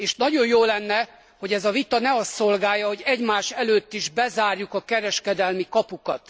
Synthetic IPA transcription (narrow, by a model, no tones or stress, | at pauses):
eːʃnɒɟo̞njoːlɛnːɛ | ho̞ɟɛzɒvit̪ɒnɛɒst̪ːo̞lɡaːjːɒɦo̞ɟɛɟmaːʃɛløːt̪ːiʒbɛzaːrjukɒkɛɾɛʃkɛd̪ɛlmikɒpukɒt̪